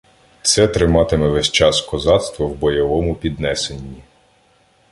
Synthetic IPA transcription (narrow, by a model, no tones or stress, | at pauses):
t̪sɛt̪ɾɪmɑt̪ɪmɛʋɛsʲt͡ʃɑskɔzɑt̪st̪ʋɔwbɔjɔʋɔmʊpʲid̪nɛsenʲːi